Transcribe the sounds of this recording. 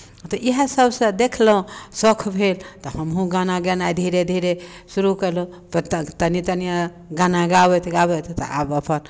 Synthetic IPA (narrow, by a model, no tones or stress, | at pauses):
t̪ɔʔiɦəsəbʱsə̃d̪ekʰlɦũsɔkʰbʱelt̪ɔhəmɦũɡanaɡenaid̪ʱiɾed̪ʱiɾe | suɾukəɾlo | pət̪ənit̪ənijã | ɡanaɡabɛt̪ʰɡabɛt̪ʰt̪ɔ̰abəpən